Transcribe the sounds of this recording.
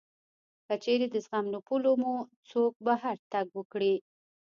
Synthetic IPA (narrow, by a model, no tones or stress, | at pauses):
kət͡ʃeɾed̪əzɣamnopulomut͡sok̚baɦaɾt̪aɡwəkɽi